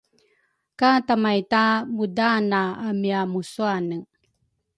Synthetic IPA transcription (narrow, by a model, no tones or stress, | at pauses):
katamajtamudanaːmiamusuanə